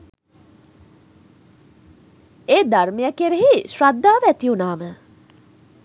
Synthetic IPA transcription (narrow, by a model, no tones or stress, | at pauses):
eːd̪armejakeɾeɦiʃɾad̪ːaːʋæt̪iunaːmə